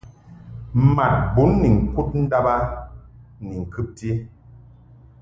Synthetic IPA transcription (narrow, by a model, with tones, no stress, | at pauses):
ma˨t̚bu˨˦nːi˨ŋ̩˨ku˦t̚n̩˦da˦ba˦ | ni˨ŋ̩˨kɨ˦p̚ti˦